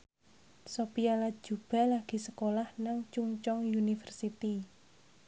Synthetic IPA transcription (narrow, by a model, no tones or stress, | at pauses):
sopialḁd͡ʒ̥ṳb̥a̤laɡ̥i̤səkolahnaŋt͡ʃuŋt͡ʃɔŋjunifərsit̪i